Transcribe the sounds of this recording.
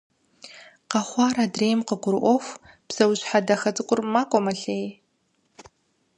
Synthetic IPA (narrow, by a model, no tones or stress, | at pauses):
qɑχʷɑːɾadreːjmqəɡʷʊɾʔʷɔxʷ | b̥z̥ɐwɕħadɐxɐtʼɨkʷʼʊrmaːkʷʼɔmɐɬej